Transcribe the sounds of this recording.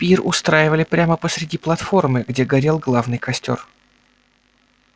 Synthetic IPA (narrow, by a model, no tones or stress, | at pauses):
pʲirʊ̰st̪ɾajɪvəlʲɪpɾʲaməpəsɾʲɪdʲiplˠɐt̪fo̞rmɨɡdʲe̞ɡɐɾʲelˠɡlˠavnɨjkɐsʲtʲo̞̰r